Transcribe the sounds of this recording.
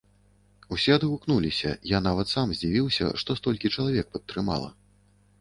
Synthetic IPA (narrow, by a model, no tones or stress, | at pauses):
usʲɛɐd̪ɣuknulʲisʲɐ̰janavɐt̪samzʲd͡zʲivʲiwsʲɐ̰ʂt̪ɔst̪ɔlʲkʲit͡ʂɐlˠavʲɛk̚pɐt̪ːɾɨma̰lˠɐ̰